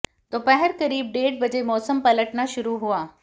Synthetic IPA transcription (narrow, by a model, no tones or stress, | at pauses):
t̪oːpɛɦɛɾkɐɾiːb̚ɖeːɽ̚bɐd͡ʑemɔːsəmpɐləʈnaʃʊɾuɦuaː